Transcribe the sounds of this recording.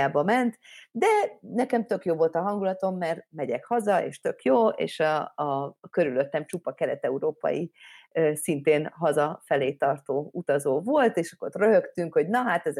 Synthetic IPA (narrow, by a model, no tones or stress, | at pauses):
aːbɒmɛnt̪d̪ɛnɛkɛmt̪ø̞kjoːvo̞lt̪ɒɦɒŋɡulɒt̪o̞mːɛrmɛɟɛkhɒzɒḛːʃt̪ø̞kjoːḛːʃɒ | køɾyløt̪ːɛmt͡ʃupɒkɛlɛt̪ɛuɾoːpɒ̰ji | sint̪eːnɦɒzɒfɛleːt̪ɒrt̪oːut̪ɒzoːvo̞lt̪eːʃɒkotrøɦøkt̪yŋkho̞ɟnɒɦaːt̪ɛz